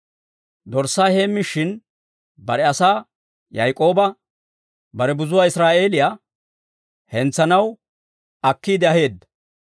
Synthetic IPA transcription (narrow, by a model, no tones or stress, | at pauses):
d̪ɔɾsːaːhe̞ːmːɪʃɪn | bɐɾɛɐsaː | jɐjkʼo̞ːbɐ | bɐɾɛbʊzʊwaːɪsɾaːʔe̞ːlɪjaː | hɛnt͡sːɐnɐw | ɐkːiːd̪ɪɐhe̞ːd̪ːɐ